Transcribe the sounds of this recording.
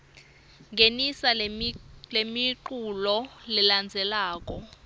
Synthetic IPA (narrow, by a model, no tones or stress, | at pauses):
ŋɡʱenisa | lemiǃulɔliland͡zʱɛlaːk̬ʼɔ